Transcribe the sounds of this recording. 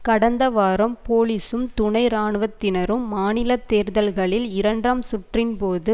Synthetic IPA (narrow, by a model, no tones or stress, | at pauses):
kɐɽɐnd̪ɐʋaːɾɐmpoːlisɯmt̪ʊɳɐɪɾaːɳɯʋɐt̪ːɪnɐɾɯmːaːnɪlɐt̪ːeːɾðɐlɣɐɭɪlɪɾɐɳɖrɐmsʊʈrɪnpoːðɯ